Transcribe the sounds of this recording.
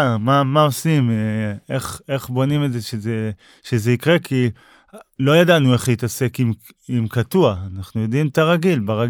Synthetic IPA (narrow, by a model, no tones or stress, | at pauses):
mamao̞simeχe̞χbo̞nime̞zeʃeze | ʃeze̞ikʁe̞kʰi | lo̞jadanue̞χjit̪ase̞kim | imkatuaːnaχnujo̞dimt̪aʁaɡilbaʁaɡ